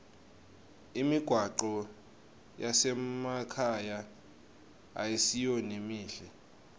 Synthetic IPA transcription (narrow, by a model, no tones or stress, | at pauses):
imiɡ̥ʱwaǃɔ | jasɛmakʰaja | a̰jesijonimiːɬɛ